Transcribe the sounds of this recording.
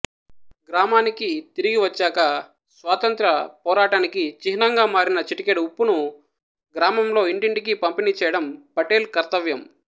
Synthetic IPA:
ɡɾaːmaːnikit̪iɾiɡiʋɐt͡ʃːaːkɐ | sʋaːt̪ɐnt̪ɾɐpɔːɾaːʈaːnikit͡ʃiɦinɐŋɡaːmaːɾinɐt͡ʃiʈikeɽupːunu | ɡɾaːmɐmlo̞ːiɳʈiɳʈikipɐmpinit͡ʃɛːjɐɽɐmpɐʈeːlkɐɾt̪ɐʋjɐm

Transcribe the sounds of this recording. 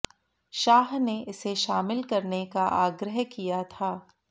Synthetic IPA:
ʃaːɦneʔɪseʃaːmɪlkɐɾnekaʔaːɡɾəɦkijat̪ʰaː

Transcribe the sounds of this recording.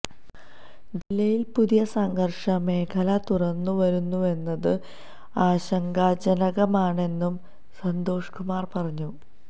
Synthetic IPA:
d͡ʑilːɐjilpuðijɐsɐŋɡɐrʂɐme̞ːkʰɐlɐt̪urɐnːuʋɐɾunːue̞nːɐðɨ | aːɕɐŋɡaːd͡ʑɐnɐɣɐmaːɳe̞nːum | sɐnd̪o̞ːʂkumaːrpɐrɐɲːu

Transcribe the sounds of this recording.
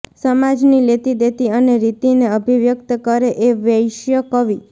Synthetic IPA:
səmad͡ʒnilet̪id̪et̪iəneɾit̪ineəbʱiʋjəkt̪əkəɾeʔeʋjəjʃjəkəʋi

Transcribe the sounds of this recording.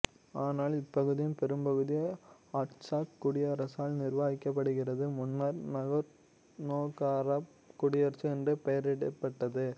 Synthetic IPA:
aːnaːlɪpːɐɣɯðɪjɯmpɛɾɯmbɐɣɯðɪjɐaʈt͡ʃaːkkːʊɽɪjɐɾɐsaːlnɪɾʋaːɣɪkːɐp̬ːɐɽɯɣɪrɐðɯmʊnːɐɾnɐɣɐɾ | noːkaːɾɐ | kʊɽɪjɐɾt͡ʃɯɛndrɯpɐjɐɾɪɽɐpːɐʈːɐðɯ

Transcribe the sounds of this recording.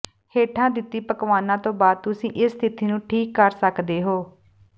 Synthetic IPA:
heːʈʰãːd̪ɪt̪ːiːpəkʋaːnãːt̪õːbaːd̪̚t̪ʊsĩːʔɪsːt̪ʰɪt̪iːnũːʈʰiːkːəɾsəkd̪eːɦoː

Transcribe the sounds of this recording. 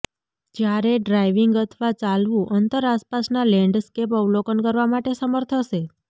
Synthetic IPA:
d͡ʒjaɾeɖɾajʋiŋɡət̪ʰʋat͡ʃalʋũʔənt̪əɾaspasnalɛ̃ɳɖskep̬əulokənkəɾʋamaʈesəməɾt̪ʰəʃe

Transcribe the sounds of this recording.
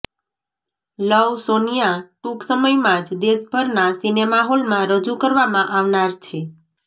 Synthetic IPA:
ləwsonijaʈuksəməjmãd͡ʒd̪esbʱəɾnasinemaɦolmãɾəd͡ʒukəɾʋamãʔaʋnaɾt͡ʃʰe

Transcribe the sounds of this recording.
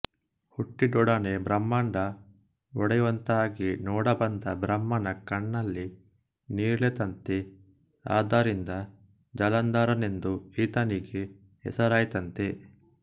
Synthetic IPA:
huʈːid̪ɔɽɐnebɾɐmːaːɳɖɐ | ɔɽɐjuʋɐnt̪ɐaːɡinɔːɽɐbɐnd̪ɐbɾɐmːɐnɐkɐɳːɐlːi | niːɾɭet̪ɐnt̪i | a̰ːd̪aːɾind̪ɐ | d͡ʒɐlɐnd̪aːɾɐne̞nd̪uiːt̪ɐniɡe | hɛ̰sɐɾaːjt̪ɐnt̪e

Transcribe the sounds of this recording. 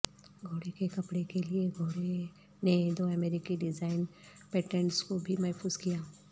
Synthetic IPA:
ɡʱoːɽekekɐpɽekelieɡʱoːɽe | ned̪oːɛmɛːɾɪkiɖɪd͡ʒaːɪn | peːʈẽɳʈskobʱimɛɦpʰuːzkijaː

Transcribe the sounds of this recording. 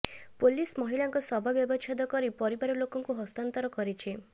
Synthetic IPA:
polismɔɦiɭaŋkɔsɔbʱabjɔbɔt͡ʃʰɔd̪ɔkɔɾipɔɾibaɾɔlokɔŋkuɦɔst̪ant̪ɔɾɔkɔɾit͡ʃʰi

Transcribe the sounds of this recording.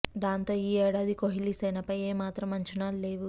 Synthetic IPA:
d̪aːnt̪o̞ːiːɛːɽaːd̪ikoɦilisɐjnɐpɐjeːmaːt̪ɾɐmɐɲt͡ʃɐnaːlle̞ːʋu

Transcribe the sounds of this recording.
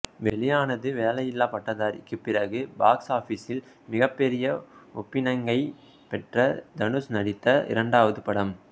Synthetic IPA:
ʋɛɭɪjaːnɐðɯʋeːlɐjɪlːaːpɐʈːɐðaːɾɪ̰kːɯpːɪrɐɣɯbaːksaːfiːsɪl | mɪɣɐpːɛɾɪjɐɔpːɪnɐŋɡɐɪ | pɛʈrɐd̪ɐnɯsnɐɽɪt̪ːɐʔɪ̰ɾɐɳɖaːʋɐðɯpɐɽɐm

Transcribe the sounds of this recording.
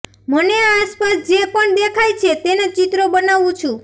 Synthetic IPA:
məneaspasd͡ʒepəɳd̪ekʰajt͡ʃʰet̪enet͡ʃit̪ɾobənaʋũt͡ʃʰũ

